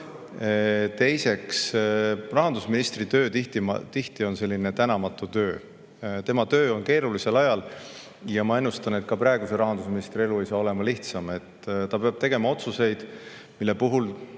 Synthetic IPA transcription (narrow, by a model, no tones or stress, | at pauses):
t̪e̞jse̞ksrɑɦɑnd̪usminist̪rit̪ø̞ːt̪it̪it̪iht̪io̞nse̞lʲːine̞t̪ænɑmɑt̪ːˑut̪ø̞ː | t̪e̞mɑt̪ø̞ːo̞nke̞ːɾulise̞lɑjɑl | jɑmɑe̞nːust̪ɑne̞t̪̚kɑpɾɑeɡ̥use̞ɾɑɦɑnd̪̥usminist̪ɾie̞luejsɑːo̞lemɑliht̪sɑme̞t̪ːt̪ɑpe̞ɑb̥̚t̪e̞ɡe̞mɑo̞t̪suse̞jd̪̥milːe̞puɦul